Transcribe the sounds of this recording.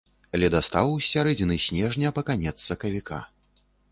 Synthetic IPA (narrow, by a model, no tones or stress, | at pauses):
ɐlʲɛd̪ast̪awwsʲaɾɛd͡zʲinɨsʲnʲɛʐnʲɐpɐkanʲɛt̪sːɐkɐvʲika̰